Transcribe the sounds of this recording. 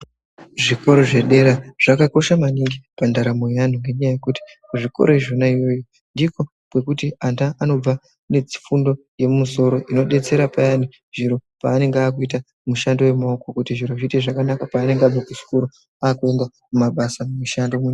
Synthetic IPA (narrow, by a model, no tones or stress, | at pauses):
ʐiko̞ɾo̞ʐe̞ɗe̞ɾaʐ̥akako̞ʃamaniŋɡipandaɾamojan̤uŋɡeɲajaje̞kuti̥ | kuʐiko̞̰ɾo̞iʐonaijo̞jo | ndiko̞ | kwe̞kutiandaʔano̞b͡va | ne̞d͡zi̥fundo̞ | je̞mumuso̞ɾo̞ʔino̞ɗe̞t͡se̞ɾapajani | ʐiɾo̞pa̰ːne̞ŋɡaːk̬uita | muʃando̞we̞maoko̞kutiʐiɾo̞ʐiteʐakanakapaːne̞ŋɡab͡vakusu̥kuɾo | aːkue̞nda | mumaɓasamumuʃandomuɲa